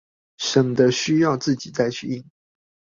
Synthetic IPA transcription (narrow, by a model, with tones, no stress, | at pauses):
ʂə˨˩ŋd̪ə˦ɕy˦jɑ˥˧ʊt͡sɹ̩˥˨t͡ɕi˨˩t͡sa˥˧ɪt͡ɕʰy˥˧˨i˥˩ŋ